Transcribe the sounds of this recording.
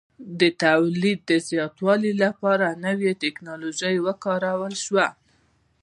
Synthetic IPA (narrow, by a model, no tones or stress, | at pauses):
d̪ət̪awlid̪̚ːəzjɑt̪wɑlilapɑɾanəwjet̪eknɑloʒajwəkɑɾawəlʃwa